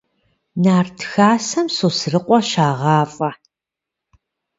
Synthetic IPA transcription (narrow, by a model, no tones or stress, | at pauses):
naːrtʰxaːsɐmsosrɨqʷʼɔʃaːʁɑːfʼɐ